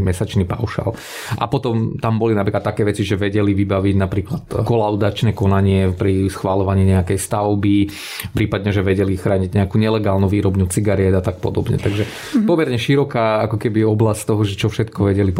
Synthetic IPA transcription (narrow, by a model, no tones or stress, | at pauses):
mɛsat͡ʃnipa̰ʊʃa̰l | ʔa̰pɔt̪ɔmt̪ambɔlinapɾiklat̪takɛːʋɛt͡siʒɛʋɛɟɛliʋibaʋiɟnapɾiːklat̪kɔlaʊd̪at͡ʃnɛːkɔnaɲɪɛpɾisxʋalɔʋaɲiːɲɛakɛjst̪aʊbi | pɾiːpad̪ɲɛʒɛʋɛɟɛlixɾaːɲiɟɲɛakuːɲɛlɛɡaːlnuʋiːɾɔbnut͡siɡaɾiɛd̪at̪ak̚pɔd̪ɔbɲɛ̰t̪aɡʒɛ | pɔmɛɾɲɛʃiɾɔkaːakɔkɛbiɔblast̪ɔɦɔʒɛt͡ʃɔfʃɛt̪kɔʋɛɟɛlip